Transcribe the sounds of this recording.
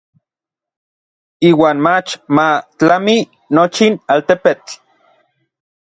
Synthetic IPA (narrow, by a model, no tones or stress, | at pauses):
iːwaːnmat͡ʃmat͡ɬami | not͡ʃinaːlt̪epet͡ɬ